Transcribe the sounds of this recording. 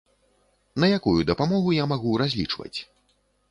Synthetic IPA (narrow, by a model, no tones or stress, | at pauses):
nɐjakujud̪ɐpamɔɣujamaɣuɾazʲlʲit͡ʂvɐ̰t͡sʲ